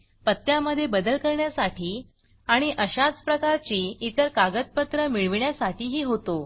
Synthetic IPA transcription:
pət̪ːjaməd̪ʱːjebəd̪əlkəɾɳjasaʈʰiː | aɽ̃iʔəɕat͡spɾəkaɾt͡ɕiːit̪əɾkaɡət̪̚pət̪ɾəmiɭʋɳjasaʈiːɦiːɦot̪o

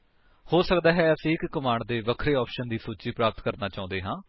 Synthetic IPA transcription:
hoːsəkd̪aːɦɛːəsĩːɪkːəmaːɳɖd̪eːʋəkʰɾeːɔːpʃənd̪iːsuːt͡ʃiːpɾaːpət̪kəɾnaːt͡ʃãːʊ̃nd̪eːɦãː

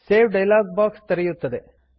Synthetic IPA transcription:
seːʋɖɐjlaːɡ̚baːkst̪ɐɾɛjut̪ːɐd̪e

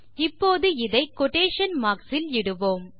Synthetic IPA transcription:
ɪpːoːðɯɪðɐɪkɔʈːeːʂɐnmaːksɪlɪɽɯʋoːm

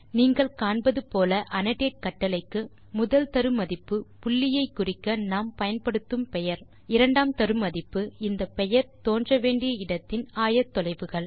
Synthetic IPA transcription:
niːŋɡɐɭkaːɳbɐðɯpoːlɐʔɐnɐʈeːʈ̚kɐʈːɐlɐɪkːɯ | mʊðɐlt̪ɐɾɯmɐðɪpːɯpʊɭːɪjɐɪkːʊrɪkːɐnaːmpɐjɐnpɐɽɯt̪ːɯmpɛjɐɾ | ɪɾɐɳɖaːmt̪ɐɾɯmɐðɪpːɯɪnd̪ɐpɛjɐɾt̪oːndrɐʋeːɳɖɪjɐɪɽɐt̪ːɪnaːjɐt̪ːɔlɐɪʋɯɣɐɭ

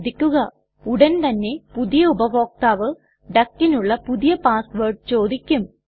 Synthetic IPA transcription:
d̪ikʲːuɣɐ | uɽɐnt̪ɐnːe̞puðijɐubɐʋo̞ːk̚t̪aːʋɨ | ɖɐkːinuɭːɐpuðijɐpaːsʋɐrɖt͡ɕo̞ːd̪ikʲːum

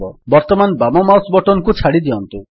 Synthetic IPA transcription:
ɔbɔɾt̪ɔmanbamɔmawsbɔʈɔnkut͡ʃʰaɽid̪iɔnt̪u

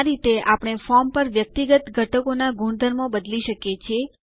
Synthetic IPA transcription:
ɾit̪eʔapɽ̃efɔɾmpəɾʋjək̚t̪iɡət̪ɡʱəʈəkonaɡʱuɳd̪ʱəɾmobəd̪liʃəkjet͡ʃʰie

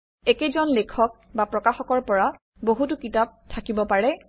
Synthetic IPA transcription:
ekezɔnlekʰɔk̚bapɹɔkaxɔkɔɹpɔɹa | boɦutʊkitap̚tʰakibɔpaɹɛ

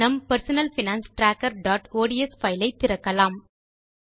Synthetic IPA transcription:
ɐmpɐɾsɐnɐlfɪnaːnsʈɾaːkːɐɾɖaːʈoːɽiɛsfɐɪlɐɪt̪ːɪɾɐkːɐlaːm

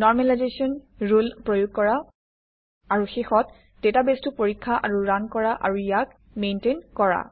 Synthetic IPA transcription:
nɔɹmɛlajzesiɔnɹulpɹojʊɡ̚kɔɹa | aɹuxexɔt | d̥etabestʊpoɹikʰːaʔaɹuɹankɔɹaʔa̰ɹujak̚ | mentenkɔɹa̰

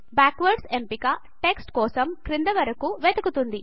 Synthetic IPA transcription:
baːkʋɐɾɖsempikɐ | ʈeksʈkɔːsɐmkɾind̪ɐʋɐɾɐkuʋed̪ɐkut̪und̪i

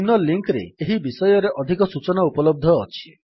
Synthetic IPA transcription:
mnɔlːiŋkɾḛeɦibisɔjɔɾeʔɔd̪ʱikɔsut͡ʃɔnaupɔlɔb̚d̪ʱɔːt͡ʃʰi̥

